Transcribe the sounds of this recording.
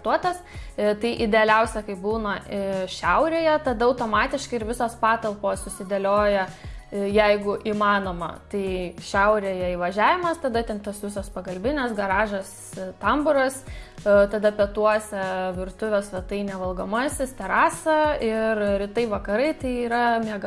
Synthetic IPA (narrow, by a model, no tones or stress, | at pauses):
t̪uɔt̪ɐst̪ɐɪʔɪd̪ʲɛɐlʲɛʊsʲɛkɐɪbuːnɐʃʲɛʊɾʲeːjɛt̪ɐd̪ɐɐʊt̪oːmɑːt̪ʲɪʃkɐɪɪɾʋʲɪsoːspɑːt̪ɐlˠpoːssʊsʲɪd̪ʲɛlʲoːjɛjɛɪɡʊʔiːmɑːnoːmɐ̰t̪ɐɪʃʲɛʊɾʲeːjɛiʋɐʒʲæːʋʲɪmɐst̪ɐd̪ɐt̪ʲɛnt̪oːsʋʲɪsoːspɐkɐlʲbʲɪnʲeːsɡɐɾɑːʒɐs | t̪ɐmbʊɾɐst̪ɐd̪ɐpʲɛt̪uɔsʲɛʋʲɪrt̪ʊʋʲoːsʋʲɛt̪ɐɪnʲɛʋɐlˠɡɐmɑːsʲɪst̪ʲɛɾɑːsɐɪrɾʲɪt̪ɐɪʋɐkɐɾɐɪt̪ɐɪiːɾɐmʲiɛɡɐ